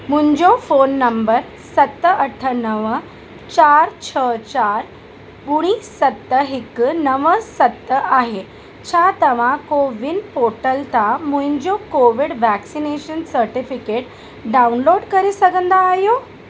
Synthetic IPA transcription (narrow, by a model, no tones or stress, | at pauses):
m̤ũɲd͡ʑofonːəmbəɾ | sət̪ːəəʈʰənəʋə | t͡ɕaɾt͡ɕʰət͡ɕaɾ | buɽ̃isət̪ːəɦiknəʋəsət̪ːəʔaɦe | t͡ɕʰat̪əʋ̤ãkoʋinpoʈəlt̪amũɦiɲd͡ʑokoʋiɽʋæksineɕənsəɾʈifikeʈ | ɖaunloɽkəɾisəɡənd̪aːɦjo